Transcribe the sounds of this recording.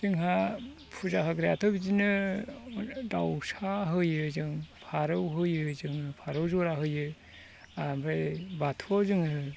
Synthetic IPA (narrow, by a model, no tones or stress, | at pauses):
zɯŋɦa | pʰuzaɦaɡɾijatʰɔbizinɯ | dawsaɦɯjɯzɯŋpʰaɾɯwɦɯjɯzɯŋpʰaɾɯwzɔɾaɦɯjɯ | ambɾebatʰɔzɯŋɯ